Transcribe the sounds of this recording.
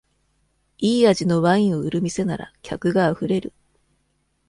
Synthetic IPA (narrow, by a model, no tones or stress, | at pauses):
iːaʑino̞βaĩoɯ̟ɾɯ̟mʲise̞naɾa̰kʲakɯ̟ɡaːɸɯ̟ɾe̞ɾɯ̟